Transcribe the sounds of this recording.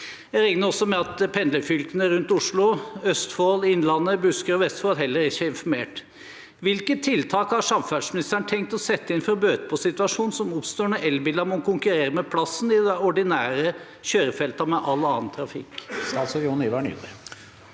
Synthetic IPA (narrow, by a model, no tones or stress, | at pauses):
jæɾɛŋnəɾɔsːɔmɛɑt̪pʰɛnd̪ləfʏlkənəɾʉnt̪ʊʂɭʊœst̪foːlɪnːlɑnːəbʉskəɾɔʋɛst̪foːlɦɛlːəɾɪçːəɪnfɔɾmeːʈ | ʋɪlkət̪ʰːɪlt̪ʰɑːkhɑɾʂɑmfæɖʂmɪnɪst̪æɳət̪ʰɛŋk̚t̪ɔsɛt̪ːəɪnfɔɾbøːt̪əpʰɔsɪt̪ʉʋɑʂuːnsɔmʊpst̪oːɳəʔɛlbɪld̪ɑmɔkʰʊŋkʉɾeːɾəmɛpʰlɑsnɪd̪ɛɔɖɪnæːɾə | ɕøːɾəfɛlt̪ɑmɛʔɑlːɑːnt̪ʰɾɑfɪ̰kːɑlsɔjɔniʋæɳjṵ